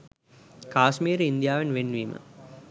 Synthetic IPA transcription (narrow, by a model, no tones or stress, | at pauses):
kaːsmiːɾəind̪ijaːʋenʋenːʋiːmə̰